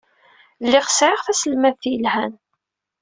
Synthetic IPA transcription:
lːɪʁə̥sʕɪʁθæsəlmæðθjəlhæn

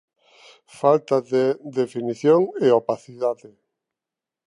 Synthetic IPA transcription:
falt̪aðeðefiniθjoŋeopaθiðaðe

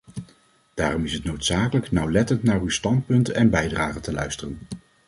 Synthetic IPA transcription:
d̥aːrɔmɪsɦətnowtsaːkələknɑwlɛtəntnaːrywstɑnt̚pɵntɛnbɛjdraːχətəlœ̰ɥstərən

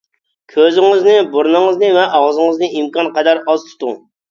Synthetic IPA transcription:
kʲʰøzɪŋɪznɪbuɾnɨŋɨznɨvɛʔɑʁzɨŋəznɨʔimkɑnqʰɑd̪ɑɾɑzt̪ʰu̥t̪uŋ

